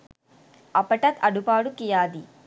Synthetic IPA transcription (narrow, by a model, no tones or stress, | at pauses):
ɐpɐʈɐt̪ʰɐɽupaːɽukijaːd̪i